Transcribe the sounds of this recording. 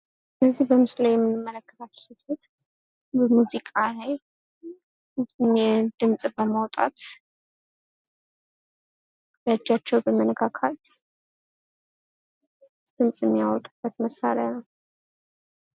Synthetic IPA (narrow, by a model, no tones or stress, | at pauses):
ɨnəzːihbəmɨslajjɛmːɨnɨmːələkːət̪at͡ʃːɛt̪ut̪ | bəmuzikʼalaj | ɛd̪ɨmsʼbəmawt̪ʼa̰t̪ | jad͡ʒːat͡ʃːɛwbəmənəɡʰakʰat̪ | d̪̥ɨmsʼɪmːijawɔt̪ʼɨbːət̪məsa̰ɾjanəw